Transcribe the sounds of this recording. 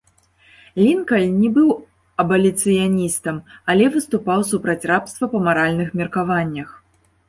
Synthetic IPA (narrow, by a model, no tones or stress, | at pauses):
lʲinkɐlʲnʲɛbɨw | ɐbɐlʲit̪sɨjanʲist̪ɐmɐlʲɛvɨst̪upawsupɾɐt͡sʲrapst̪vɐpɐmaɾalʲnɨxmʲɛrkavanʲːɐx